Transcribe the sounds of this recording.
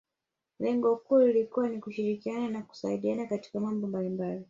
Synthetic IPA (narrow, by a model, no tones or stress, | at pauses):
lɛŋɡɔkuːlilikuwanikuʃiɾikiananaku̥saiɗianakati̥kamambɔmbalimbali